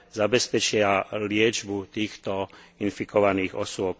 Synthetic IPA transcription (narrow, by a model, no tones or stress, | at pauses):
zabɛspɛt͡ʃɪalɪɛd͡ʒbut̪iːxt̪ɔinfikɔʋaniːɣɔ̰sʊɔp̚